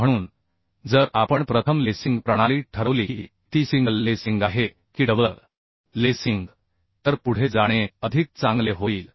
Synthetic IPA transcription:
m̤əɽ̃uːn | d͡zəɾapəɳpɾət̪ʰəmlesiŋɡpɾəɽ̃aliːʈʰəɾəʋlii | t̪isiŋɡəlːesiŋɡaɦe | kiːɖəbləl | lesiŋɡ | t̪əɾpuɽ̤ed͡zaɽ̃eəd̪ʱik̚t͡sãŋɡleɦoiːl

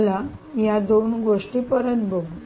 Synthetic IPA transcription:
lajad̪onɡoʂʈiːpəɾənbʱəɡ

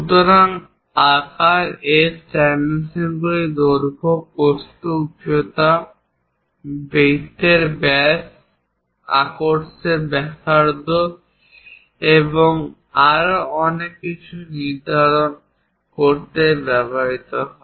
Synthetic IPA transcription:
ut̪oɾan | akaɾesʈɛnisenɡoɾid̪oɾbʱokost̪oupjot̪a | bet̪eɾbɛs | a̰koɾseɾbɛsaɾd̪o | eboŋ | aɾoɔnekːit͡ɕʰuniɾd̪ʱaɾon | koɾt̪ebɛbaɾit̪oɦɔe

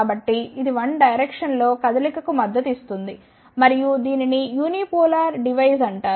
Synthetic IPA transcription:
bɐʈːiid̪iʋɐɳɖɐjɾekʂɐnlo̞ːkɐd̪ɐlikɐkumɐd̪ːɐt̪ist̪und̪i | mɐɾijud̪iːninijuːnipoːlaːɾɖiʋɐjzɐɳʈaː

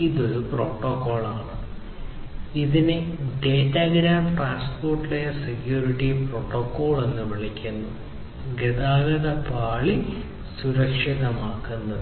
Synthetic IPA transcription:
iðouproːʈːokːo̞ːɭaːɳɨ | iðineɖeːtːaːɡɾaːmʈraːnspoːrʈːilejɐsekjuːɾiʈːipro̞ːʈːoːkːo̞ːɭe̞nːɨʋiɭikʲːunːu | ɡeðaːɣɐðɐpaːɭi | suɾɐkʂiðɐmaːkːunːɐ

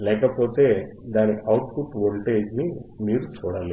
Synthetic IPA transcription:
lɛːkɐpo̞ːt̪e̞ː | d̪aːniʔɐwʈ̚puʈʋoɭʈeːd͡ʒnimiːɾut͡ʃuːɽale

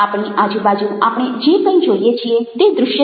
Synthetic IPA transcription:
aːpɽ̃ĩʔaːd͡ʒubaːd͡ʒũaːpɽ̃ed͡ʒekə̃ĩd͡ʒoːɽijet͡ʃʰiet̪ed̪ɾʊʃjə

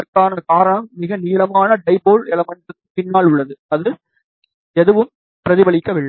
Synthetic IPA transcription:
ɐrkaːnɐkaːɾɐɳɐmːɪɣɐniːlɐmaːnɐɖɐɪboːlɛlɐmɐndɯkːɯpːɪnːaːɭʊɭːɐðɯɐðɯ | ɛðɯʋɯm | pɪɾɐðɪbɐɭɪkːɐʋɪɭːɐ

